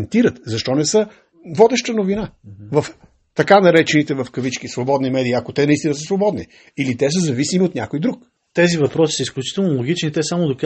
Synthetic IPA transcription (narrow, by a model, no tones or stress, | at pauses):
nt̪iɾət̪zɐʃt̪ɔnɛsə | vɔd̪ɛʃt̪ənovinavəf | t̪ɐkanɐɾɛt͡ʃɛnit̪ɛvəfkəvit͡ʃkisvobɔd̪nimɛd̪iːɐkot̪ɛnɐist̪inəsəsvobɔd̪ni | ilit̪ɛs̬əzɐvisimiot̪nʲja̰kojd̪ɾuk | t̪ɛzivɐpɾɔsi̥səisklʲut͡ʃi̥t̪ɛlˠnolˠoɡʲit͡ʃnit̪ɛsamod̪ok